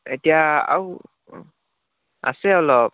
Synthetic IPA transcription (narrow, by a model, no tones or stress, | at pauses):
etijaa̰w | a̰sɛɔlɔp̚